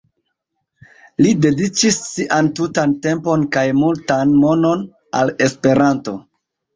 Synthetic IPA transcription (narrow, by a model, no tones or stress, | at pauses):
lide̞dit͡ʃisːiʔantutante̞mpo̞nkajmultanmo̞no̞n | a̰le̞spe̞ɾanto̞